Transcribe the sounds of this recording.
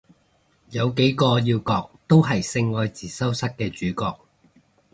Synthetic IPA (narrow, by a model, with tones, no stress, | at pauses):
jɐ˨˧wke˨˥jkɔː˧jiː˧wkɔː˧k̚t̪o˥wɦɐ˨jsɪ˧ŋːɔː˧jt͡siː˨˩sɐ˥wsɐ˥t̚kɛː˧t͡ʃyː˨˥kɔː˧k̚